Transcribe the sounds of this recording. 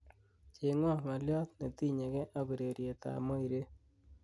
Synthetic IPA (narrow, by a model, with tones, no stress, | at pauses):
t͡ʃe˨ŋɔ˦˨ma˨ljɔ˦t̪ne˨t̪i˦ɲe˨ɡɛ˦ʔa˦be˨ɾe˨ɾje˨t̪a̰˨mɔ˦i˨ɾe˦